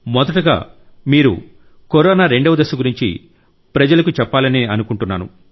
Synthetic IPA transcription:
mɔd̪ɐʈuɡa̰ːmiːɾṵ | koɾɔːnaːɾe̞ɳɖɐʋɐd̪ɐsɐɡuɾiɲt͡ʃḭ | pɾɐd͡ʒɐlɐkut͡ʃɛpːaːlɐniɐnukuɳʈunːaːnṵ

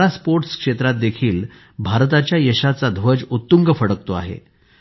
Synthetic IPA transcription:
aspoɾʈskʂet̪ɾat̪̚d̪ekʰiːl | bʱaɾt̪at͡ɕjajəɕat͡sad̪ʱʋəd͡ʑut̪ːuŋɡəfəɽək̚t̪oa̰ɦḛ

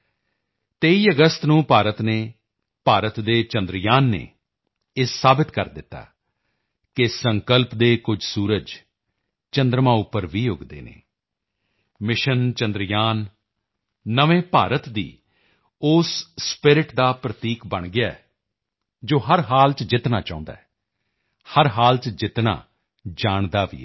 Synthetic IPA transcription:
t̪eːiːəɡəst̪nũːpaːɾət̪neː | paːɾət̪d̪eːt͡ʃə̃nd̪ɾjaːnːḛː | ɪsːaːbɪt̪kəɾd̪ɪt̪ːa̰ː | kɪsəŋkəlpd̪eːkʊd͡ʒsuːɾəd͡ʒ | t͡ʃənd̪ɾəmãːʊpːəɾʋiːʊɡd̪ḛːnḛː | mɪʃənt͡ʃənd̪ɾjaːnː | əʋẽːpaːɾət̪d̪ḭː | ʊsspɪɾɪʈd̪aːpɾət̪iːkbəɳɡɪaːɛ | d͡ʒoːɦəɾɦaːlt͡ʃd͡ʒɪt̪naːt͡ʃã̰ːʊ̃nd̪a̰ːɛ | həɾɦaːlt͡ʃd͡ʒɪt̪nã̰ː | d͡ʒaːɳd̪aːʋḭːɛː

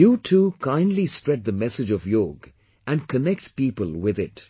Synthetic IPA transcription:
jutʰukʰãɪ̃ndlispɹɛt̚d̪əmɛsɨd͡ʒɔvjoːɡ | ʔæ̃nkʰənɛk̚tpiːpəlˠwɪðɪt

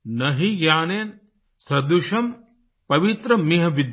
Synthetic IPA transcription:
nɐɦijaːneːn | sɾɐd̪uʃɐm | pɐʋit̪ɾɐmiɦɐʋid̪

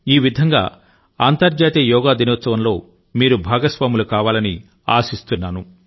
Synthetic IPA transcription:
iːʋid̪ʱɐŋɡa̰ː | aːnt̪ɐɾd͡ʒaːt̪ijɔːɡaːd̪inɔːt̪sɐʋɐmlo̞ː | miːɾubʱaːɡɐsʋaːmulukaːʋaːlɐni | a̰ːsist̪unːaːnu

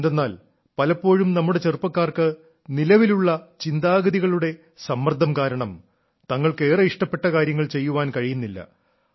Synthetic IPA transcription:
nd̪enːaːl | pɐlɐpːo̞ːɻumnɐmːuɽe̞t͡ɕerupːɐkːaːrkɨ | nilɐʋiluɭːɐt͡ɕind̪aːɡɐðiɣɐɭuɽe̞ | sɐmːrd̪ʱːɐmkaːɾɐɳɐm | t̪ɐŋːɐɭke̞ːrɐiʂʈɐpːe̞ʈːɐkaːɾjɐŋːɐɭt͡ɕe̞jːuʋaːnkɐɻijunːilːɐ̰

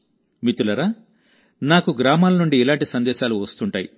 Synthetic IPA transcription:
mit̪ulɐɾaː | naːkuɡɾaːmaːlɐnuɳɖiːlaːɳʈisɐnd̪ɛːʃaːluʋɐst̪uɳʈaːjḭ

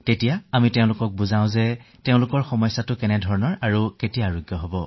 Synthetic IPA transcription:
tetijaamiteʊ̃lʊkɔk̚buzãʊ̃zɛ | teʊ̃lʊkɔɹxɔmɔjsatʊkɛnɛdʱɔɹɔnɔɹaɹuketijaɹoɡjɔɦobɔ

